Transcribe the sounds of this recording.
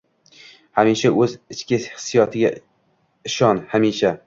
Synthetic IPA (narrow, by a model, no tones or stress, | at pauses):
hamiʃaʔɵzɪt͡ʃkʲɪhɪ̥sːijɒt̪ʰɪɡʲa | ɪʃɒnhamiʃa